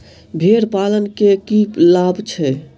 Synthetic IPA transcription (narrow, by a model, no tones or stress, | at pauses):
bʱeɾpalənkekilabʱt͡ʃʰɛ